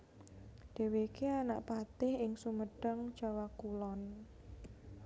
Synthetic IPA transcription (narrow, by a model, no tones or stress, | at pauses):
d̥e̤wekeana̰ʔpat̪ɪhɪŋsuməɖ̥əŋd͡ʒ̥awakulɔn